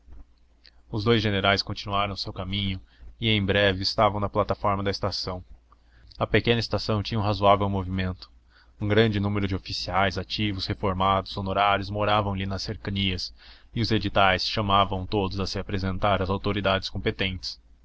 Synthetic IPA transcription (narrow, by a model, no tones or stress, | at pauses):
ʊzd̪ojzʒeneɾajskõnt͡ʃinuaɾɐ̃w̃ʊsewkamĩɲʊɪẽj̃bɾɛvɪːst̪avɐ̃w̃nɐplat̪afɔɾmɐd̪ɐɪst̪asɐ̃w̃ | ɐpekẽnɐɪst̪asɐ̃w̃t͡ʃĩɲɐũɦazuavewmovimẽnt̪ʊ̥ | ũɡɾɐ̃nd͡ʒɪnũmeɾʊd͡ʒɪofisiajzat͡ʃivʊshefoɾmad̪ʊz̥onoɾaɾjʊzmoɾavɐ̃w̃lɪnɐsːeɾkɐniɐsɪʊzed͡ʒit̪ajsʃɐmavɐ̃w̃t̪od̪ʊzɐsɪapɾezẽnt̪aɾɐzawt̪oɾid̪ad͡ʒɪskõmpet̪ẽnt͡ʃɪ̥s